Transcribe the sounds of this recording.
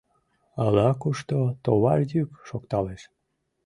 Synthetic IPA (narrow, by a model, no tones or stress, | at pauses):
ɑlɑkuʃt̪ot̪oβɑlʲd̪ʲykʃokt̪ɑleʃ